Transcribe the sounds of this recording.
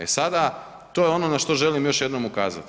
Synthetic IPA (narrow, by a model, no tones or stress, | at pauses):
ḛsad̪a | t̪o̞ːjeo̞no̞naʃt̪o̞ʒe̞limjo̞ʃje̞d̪no̞mukaːza̰t̪